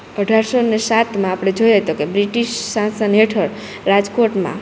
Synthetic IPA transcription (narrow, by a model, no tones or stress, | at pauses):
əɖʱaɾsonesat̪mãapɽ̃ed͡ʒojat̪okebɾiʈiʃːãsəneʈʰəɾ | ɾad͡ʒkoʈmã̰